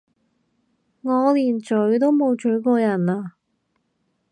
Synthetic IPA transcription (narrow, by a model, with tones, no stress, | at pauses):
ŋɔː˨˧liː˨˩nt͡ʃɵ˨˥ɥt̪o˥wmo˨˧wt͡ʃɵ˨˥ɥkɔː˧jɐ˨˩naː˧